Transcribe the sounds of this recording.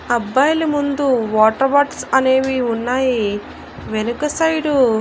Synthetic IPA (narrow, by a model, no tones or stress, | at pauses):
ɐbːɐːjɐlimund̪uʋaːʈɐɾbaːʈsɐneːʋiunːaːji | ʋenukɐsɐjɖu